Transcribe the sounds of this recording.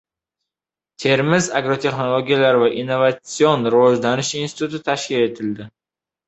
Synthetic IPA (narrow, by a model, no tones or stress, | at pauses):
t̪ʰe̞ɾmɪzaɡɾot̪ʰe̞χno̞lˠo̞ɡʲijalaɾvaʔinːo̞vat̪sionɾɪvɒʒlanɪʃinsɪ̥t̪ʰut̪ʰɪt̪ʰaʃkʲɪle̞t̪ʰɪld̪ɪ